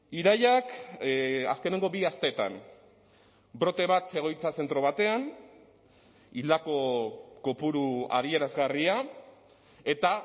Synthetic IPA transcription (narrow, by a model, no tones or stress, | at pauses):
iɾajak | a̰ske̞ne̞ŋɡo̞βiast̪e̞t̪a̰n | bɾo̞t̪e̞βat̪e̞ɣ̞o̞jt͡sase̞nt̪ɾo̞β̞at̪e̞an | ild̪ako̞ko̞puɾua̰ðie̞ɾazɣaria | e̞t̪a